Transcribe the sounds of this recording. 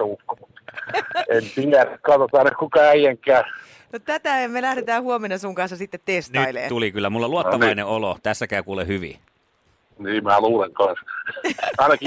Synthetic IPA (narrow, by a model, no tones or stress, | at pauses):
ukːomut̪ː | ensiŋkækɑt̪ot̪ɑˑinɑkkukɑæijæŋkˑæː | not̪æt̪æɑmelæhɾet̪æːhuomenːɑsuŋkɑnsːɑsit̪ːet̪testniːilḛːt̪ulikylːæmulːɑluɑt̪ːɑʋɑineolot̪æsːækæˑykuːlehyʋḭ | niːmæluːleŋkɑns | ɑˑinɑki